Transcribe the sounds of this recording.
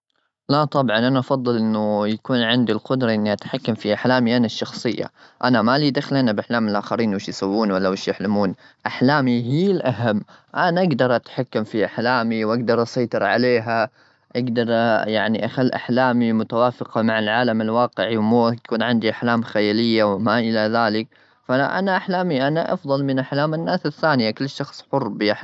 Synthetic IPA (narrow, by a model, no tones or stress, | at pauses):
lat̪ˤɑbʕɑnʔanaʔɑfɑðˤːɨlʔɪnːʊjakuːnʕɪnd̪ilqʊd̪ɾˤɑʔɪnːiʔat̪ħakːamfiʔaħlaːmiʔanaʃːɑxsˤɨjːa̰ʔanamalid̪axːɪlʔanabʔaħlaːmɪlʔaːxaɾiːnwɪʃjsawːuːnwalːawɪʃjaħlamuːn | ʔaħlaːmiɦiːlʔaɦamːʔanaʔaɡd̪ɑɾˤʔat̪ħakːamfiʔaħlaːmiwʔaɡd̪ɑɾˤʔɑsˤɑjt̪ˤɨɾʕa̰leːɦa | ʔaɡd̪ɑɾˤjaʕniʔaxalːʔa̰ħlaːmimʊt̪awaːfɪqɑmaʕalʕaːlamɪlwɑːqɪʕiwmuːkuːnʕɪnd̪iʔaħlaːmxajaːlɪjːawɪmaʔɪlaðaːlɪk̚ | faʔa̰naʔaħlaːmiʔanaʔɑ̰fðˤɑlmɪnʔaħlaːmanːaːsaθːaːnɪjakʊlːʃːɑxsˤħʊrːbɪa